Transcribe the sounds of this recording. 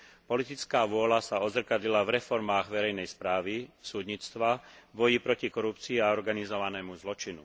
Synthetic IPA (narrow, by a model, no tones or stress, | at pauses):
pɔlit̪it͡skaːʋʊɔlasaɔd̪zr̩kad̪ʎilavɾɛfɔɾmaːɣʋɛɾɛjnɛjspɾaːʋisuːd̪ɲit͡st̪ʋabɔjipɾɔcikɔɾupt͡siːaɔɾɡanizɔʋanɛːmuzlɔt͡ʃinṵ